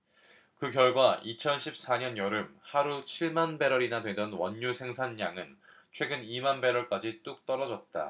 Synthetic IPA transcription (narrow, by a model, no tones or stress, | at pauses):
kɯkjʌɭɡwaʔit͡ɕʰʌnɕʰip̚s͈aɲʌnjʌɾɯmhaɾut͡ɕʰiɭmanbe̞ɾʌɾinadwe̞dʌnwʌɲːusʰe̞ŋsʰanjaŋɯn | t͡ɕʰwe̞ɡɯnimanbe̞ɾʌɭk͈ad͡ʑit͈uk̚t͈ʌɾʌd͡ʑʌt̚t͈a̰